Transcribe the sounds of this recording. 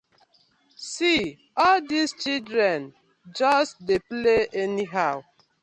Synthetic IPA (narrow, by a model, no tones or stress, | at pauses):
si | ɔldist͡ʃildɾɛ̃n | d͡ʒɔstdepleɛniɦaʊ